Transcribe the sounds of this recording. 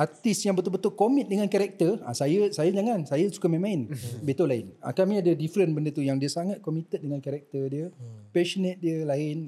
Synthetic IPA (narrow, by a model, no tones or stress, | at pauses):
art̪isjaŋbət̪ʊlbət̪ʊlkomĩt̪̚dəŋankaɾɛk̚t̪əra̰sajəsajəd͡ʒaŋãnsajəsu̥kamɛ̃mãɪnbet̪olaɪna̰kamĩadadifɾənbəndət̪ujaŋdiəsaŋat̪̚komit̪ət̪̚dəŋankaɾɛk̚t̪ərdiəpɛʃonɛ̃t̪̚diəlaɪn